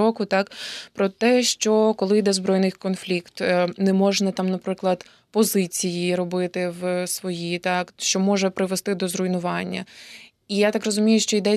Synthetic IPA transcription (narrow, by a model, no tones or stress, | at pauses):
ɔkʊt̪ɑkpɾɔt̪ɛʃt͡ʃɔkɔlˠɪjd̪ɛzbɾɔjnɪjkɔnflʲikt̪nɛmɔʒnɐt̪ɑmnɐpɾɪklˠɐd̪ | pɔzɪt͡sʲijiɾɔbɪt̪ɪwsʋɔjit̪ɑkʃt͡ʃɔmɔʒɛpɾɪʋest̪ɪd̪ɔzɾʊjnʊʋɑnʲːɐ | ijat̪ɑkrɔzʊmʲijʊʃt͡ʃɔid̪ɛ